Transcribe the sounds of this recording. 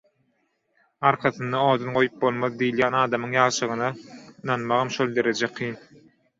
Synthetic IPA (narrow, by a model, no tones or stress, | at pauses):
ɑɾqʰɑθɯnd̪ɑoːd̪ɑnɢo̞jup̚bo̞lˠmɑðd̪ijːljæːnɑːd̪ɑmɯŋjɑːlˠʃɯʁɯnɑnɑnmɑʁɑmʃolˠd̪e̞ɾed͡ʒeqʰiːn